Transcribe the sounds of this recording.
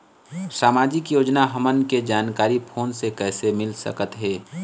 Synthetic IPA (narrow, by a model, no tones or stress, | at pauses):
saːmaːd͡ʒɪkjoːd͡ʒnaɦəmənked͡ʒaːnkaːɾipʰoːnsekɛːsemɪlsə̰kət̪ɦɛː